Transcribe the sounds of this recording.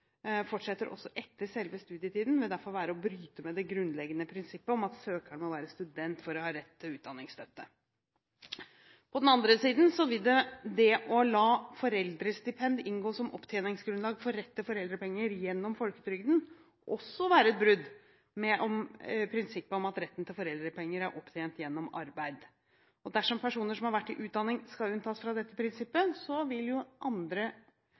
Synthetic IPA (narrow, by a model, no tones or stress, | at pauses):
fɔʈʂɛt̪ːəɾʔɔ̰sːɔʔɛt̪ʰːəʂɛlʋəst̪ʉːd̪ɪət̪ʰiːd̪n̩ʋɪld̪æɾfɔlʋæːɾəɔbɾyːt̪əmɛd̪ɛɡɾʉnlɛɡənəpʰɾɪnsɪpːəɔmɑt̪søːkəɳmɔʋæːɾəst̪ʉd̪ɛnt̪fɔɾɔhɑːɾɛt̪ʰːɪlʉːt̪d̪ɑnːɪŋst̪œt̪ːə | pʰɔd̪ɛnɑnd̪ɾəsiːd̪n̩sɔʋɪld̪ɛd̪ɛʔɔlɑːfɔɾɛld̪ɾəst̪ɪpʰɛnd̪ɪnɡoːsɔmɔpːt̪ʰjeːnɪŋsɡɾʉnlɑːɡfɔɾɾɛt̪ːɪfɔɾɛld̪ɾəpɛŋːəɾjɛnːɔmfɔlkə̥t̪ʰɾʏɡd̪n̩ | ʔɔsːɔʋæːɾəɛt̪̚bɾʉd̪ | mɛʔɔmpʰɾɪnsɪpːəɔmɑt̪ɾɛt̪ːn̩t̪ɪlfɔɾɛld̪ɾəpʰɛŋːəɾæɾʔɔpːt̪ʰeːnt̪jɛnːɔmɑ̰ɾbæɪd̪ | ɔd̪æʂɔmpʰæʂuːnəʂɔmhɑɾʋæʈːɪʔʉːt̪d̪ɑnːɪŋskɑʉnt̪ʰɑːsfɾɑd̪ɛt̪ːəpʰɾɪnsɪpːəsɔʋɪljʊʔɑnd̪ɾə